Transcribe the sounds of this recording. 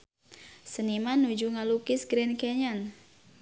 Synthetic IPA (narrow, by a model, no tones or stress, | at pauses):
sənimanud͡ʒuŋalukɪsɡɾɛnkeɲan